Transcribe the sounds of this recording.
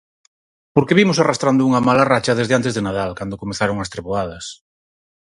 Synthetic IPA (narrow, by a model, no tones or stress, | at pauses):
poɾkeβimʊsarast̪ɾand̪ʊuŋɐmalarat͡ʃɐðezðeant̪̬ezðenaðalkand̪okomeθaɾoŋɐst̪ɾeβoað̞ɐs